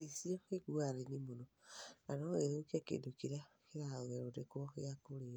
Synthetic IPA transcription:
isiɔeɡuaɾenimononanɔeɾokɛkḛdokiɾa | keɾaðwɛɾodekejakoɾe

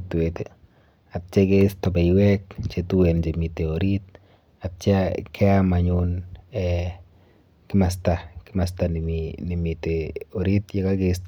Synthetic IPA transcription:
twete | ap̚t͡ʃekestabaiwɛk̚t͡ʃetuwent͡ʃemiteoɾit̚ | ap̚t͡ʃakʰɛamaɲunɛ | kɪmas̬takɪmas̬taninimiteoɾitjekakest

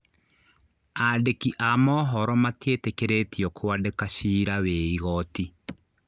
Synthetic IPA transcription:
adekiʔamɔɦɔɾɔmatietekeɾetiɔkʰoadekaʃiːɾaweiɣɔti

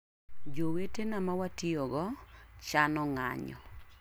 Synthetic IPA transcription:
d͡ʒowetenamawatioɡɔt͡ʃanɔŋa̰ɲɔ̰

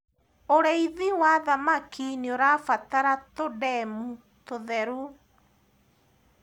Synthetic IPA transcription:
oɾeiðiwaðamakinioɾafataɾatodɛmu | toðɛɾu

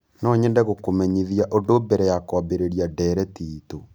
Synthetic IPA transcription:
nɔɲɛndɛɣokomɛɲiðjaʔodobɛɾɛjakɔbeɾeɾiadɛɾɛtiːto

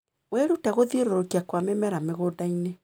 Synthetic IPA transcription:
wɛɾutɛɣoðieɾoɾokiakwamemɛɾameɣoːdaine

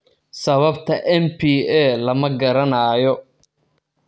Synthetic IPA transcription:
sɐβɐbt̪ʰɐʔɛmpʰiːɛːlɐmɐɡɐɾɐnɐːjɔ

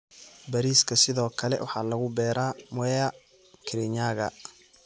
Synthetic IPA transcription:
bɐɾiːskʰɐsɪðɔːkʰɐlɛ̰wɑ̰ħɑːlɐɣʊbɛːɾaːmʊɛɐ | kʰɪɾɪɲaːɣɐ̰

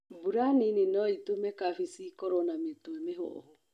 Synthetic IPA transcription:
buɾanininɔitumɛkafisikoɾɔnametoemeɦo̰ho

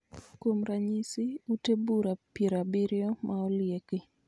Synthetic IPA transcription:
komɾaɲisiutebuɾapiɾabiɾjɔmʔaɔljeki

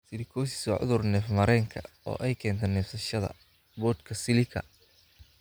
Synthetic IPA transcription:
sɪɾɪkʰɔːsɪ̥sɔʕʊ̰ðʊrnɛːfmɐɾɛːŋkʰɐ̰ | ɔ̰ːʔɛjkʰɛːnt̪ʰɛnɛːfsɐʃɐðɐ̰ | bɔːd̪kʰɐsɪlɪkʰɐ̰

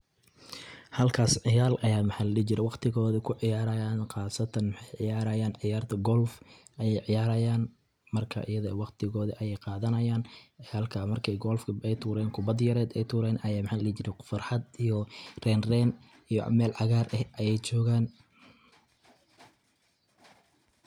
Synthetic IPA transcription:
hɐlkʰaːsʕɪjaːlʔɐjaːmħɑːlɐlit͡ʃɪɾɛwɑqt̪ʰɪɣɔːðɐkʰʊʕɪjaːɾɐjaːnqɑːsɐt̪ʰɐnmħɑjʕɪjaːɾɐjaːnʕɪjaːrt̪ʰɐɡɔlf | ʔɐjɛjʕɪjaːɾɐjaːn | mɐrkʰɐ̰ʔɪjɐðɔɛwɑqt̪ʰɪɣɔːðɐʔɐjɛjqɑːðɐnɐjaːnɛɐlkʰɐmɐrkʰɛjɡɔlfkʰɐɛjt̪ʰuːɾɛːnkʰʊbɐd̪jɐɾɛːd̪ɛjt̪ʰuːɾɛːnɐjaːmħaːlɐlit͡ʃɪɾɛfɐrħɑd̪ijɔrɛːnrɛːn | ijɔ̰mɛːlʕɑɣaːrʔɛhʔɐjɛjt͡ʃɔːɣaːn

